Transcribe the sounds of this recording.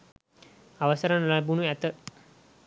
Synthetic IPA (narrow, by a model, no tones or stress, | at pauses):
aʋəsɐɾənlajbunuæt̪ə